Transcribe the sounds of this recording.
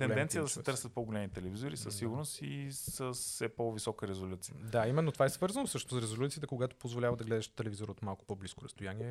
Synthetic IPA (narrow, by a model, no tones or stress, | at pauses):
ɛnɛnt̪sijəd̪ɐsɛt̪ɤɾsət̪̚poɡolʲɛmit̪ɛlɛvizoɾisəsːiɡuɾnost̪isəssɛpɔvisɔkəɾɛzolʲut̪siəd̪aimɛnːot̪ovaɛsvɤɾzɐnosɤʃt̪oosɾɛzolʲut̪ijət̪əkoɡat̪o̥pozvolʲavəd̪ɐɡlɛd̪ɛʃt̪ɛlɛvizoɾəot̪malˠko̥pɔbliskoɾɐ̰st̪ojanʲiɛ